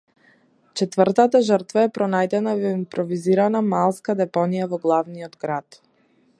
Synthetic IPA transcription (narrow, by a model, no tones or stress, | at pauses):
t͡ʃɛt̪vəɾt̪at̪aʒəɾt̪vaɛpɾɔnajd̪ɛnavimpɾɔviziɾanamalˠskad̪ɛpɔnijavɔɡlˠavnijɔd̪ɡɾat̪